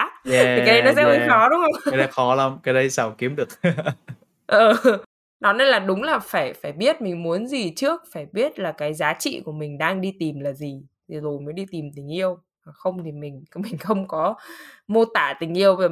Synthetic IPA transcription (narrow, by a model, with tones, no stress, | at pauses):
ɛi˨˦ɗə˧jnɔ˨˦ɛ̰˧˥ə˧˦jxɔ˨˦ɗʊ˨˦ŋ͡mə˧ŋ͡mjɗə˨˧˦jxɔ˨˦la˨˦mkaː˨˦jɗə˧jsaː˧˩wki˨˦əmɗɨ˨˩ək̚ | ʔəː˨˩ | nɔ˨˦ne˧nlaː˨˩ɗʊ˨˦ŋ͡mlaː˨˩faː˧˩jfaː˧˩jɓi˦˥ət̚mï˨˩ŋ̟mu˨˦ənzi˨˩t͡ɕɨ˦˥ək̚faː˧˩jɓi˦˥ət̚laː˨˩kaː˨˦jzaː˨˦t͡ɕḭ˧˨ku˧˩əmï˨˩ŋ̟ɗaː˧ŋɗi˧t̪i˨˩mlaː˨˩zi˨˩t̪ʰi˨˩zo˨˩jməː˨˦jɗi˧t̪i˨˩mt̪ï˨˩ŋ̟ʔi˧əw | maː˨˩xə˧wŋ͡mt̪ʰi˨˩mï˨˩ŋ̟mï˨˩ŋ̟xə˧wŋ͡mkɔ˨˦mo˧t̪a̰ː˧˩˨t̪ï˨˩ŋ̟ʔi˧əwv